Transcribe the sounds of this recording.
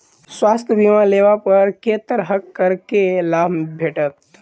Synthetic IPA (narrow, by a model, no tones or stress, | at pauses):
swaːst̪ʰjəbimaleːʋapɐɾkeːt̪əɾɦəkːəɾkelaːbbʱeːʈət̪